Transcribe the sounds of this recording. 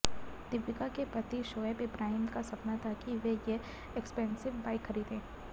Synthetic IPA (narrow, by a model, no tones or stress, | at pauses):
d̪̥ɪʋjɪkakepɾɐt̪iʃoːebɪbɾaːɦɪmkasɐpnat̪ʰakiʋeje | ekspɛ̃ːnsɪʋbaːɪkxɐɾiːd̪ɦẽː